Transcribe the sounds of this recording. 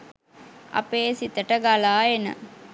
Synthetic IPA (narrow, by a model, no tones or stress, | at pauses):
ɐ̰peːsit̪əʈəɡalaːenə̰